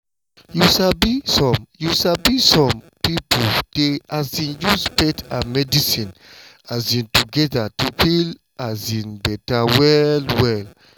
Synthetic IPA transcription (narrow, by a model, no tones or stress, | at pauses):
juʃabisɔ̃mjuʃabisɔ̃m | pipod̥eazĩnjuspɛtʰamɛdisĩn | azĩntuɡɛdatupil | azĩnbɛtawɛlwɛl